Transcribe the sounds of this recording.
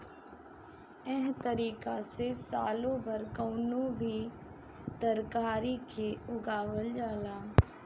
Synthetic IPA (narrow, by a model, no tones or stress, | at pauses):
ɛɦt̪əɾiːkasesaːlõbʱəɾkoːnõbʱiː | t̪əɾkaːɾikʰeʊɡaːʋəld͡ʒaːlaː